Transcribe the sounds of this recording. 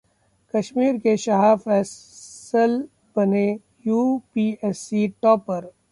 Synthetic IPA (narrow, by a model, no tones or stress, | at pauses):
kɐʃmiːɾkeʃɐɦaːfɛːsəl | b̥ɐne | juːpiːɛːsiʈɔːpəɾ